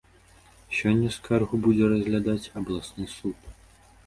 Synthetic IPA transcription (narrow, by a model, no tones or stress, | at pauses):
sʲɔnʲːɐskʰarɣubud͡zʲɛɾɐzʲɣlʲad̪at͡sʲɐblˠasnɨsut̪